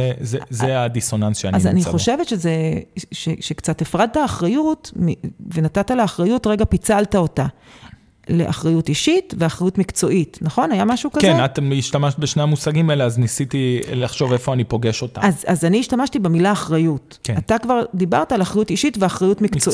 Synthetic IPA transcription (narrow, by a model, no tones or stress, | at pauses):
ezezead̪iso̞nansʃeanaza̰nio̞ʃe̞vetʃezeʃeʃe̞kt͡satefʁad̪̚taːχʁajutmive̞natataleaχʁajutʁe̞ɡapit͡saltao̞ta | leʔa̰χʁajutiʃitveaχʁajutmikt͡so̞ʔitnaχo̞najamaʃukazkenat̪emiʃtamaʃt̚beʃneamusaɡimeleaznisit̪ilaχʃo̞vefoanipo̞ɡeʃo̞t̪a̰azazaniːʃtamaʃtibe̞milaːχʁajut | keatakvaʁdiba̰ʁtaːlaχʁajutiʃitveaχʁajutmikt͡so